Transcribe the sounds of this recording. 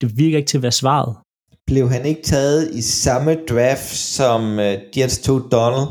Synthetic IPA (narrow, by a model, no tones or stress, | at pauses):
d̥e̝ʋiɐɡ̥ɐe̝ɡ̥̚t͡sʰe̝ɐʋæːɐsʋɑ̰̈ð̞̩ˠ | b̥le̝ʊɦæne̝ɡ̥ət͡sʰɛːð̞̩ˠisɑ̈məd̥ʁɑfd̥sɒ̽md̥jed̥st͡sʰod̥ɒnl̩